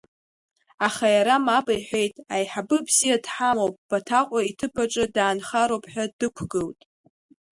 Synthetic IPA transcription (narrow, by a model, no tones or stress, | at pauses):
aχajaɾamapʼajħʷᶣejtʼajħabɨbzijadħamowpʼb̥atʰaqʷʼaitʰɨpʰaʈ͡ʂʼɨdaːnχaɾowpʼħʷᶣadɨkʷʰɡɨltʼ